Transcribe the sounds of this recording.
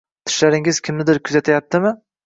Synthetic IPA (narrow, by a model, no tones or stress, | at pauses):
t̪ʰɪ̥ʃlaɾɪŋɪz̥kʲʰɪmnɪd̪ɪɾkʰʊzat̪ʰajap̚t̪ʰɪmɪ